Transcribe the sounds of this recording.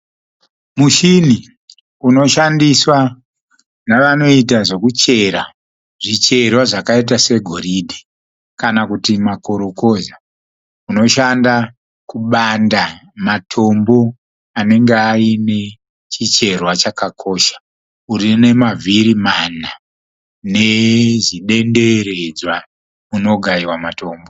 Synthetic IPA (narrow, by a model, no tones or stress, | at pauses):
muʃini | uno̞ʃandiswa | naʋano̞it̬aʐekut͡ʃe̞ɾa | ʐit͡ʃe̞rwaʐakait̬ase̞ɡʱo̞ɾidʱe | kanakutimako̞ɾoko̞za | uno̞ʃanda | kuɓandamatʰo̞mbo̞ | ane̞ŋɡeaine̞ | t͡ʃit͡ʃe̞rwat͡ʃakakʰo̞ːʃḁ | uɾine̞mavʱiɾimana | ne̞ziɗe̞nde̞ɾed͡zwa | uno̞ɡʱaiwamato̞ːmbo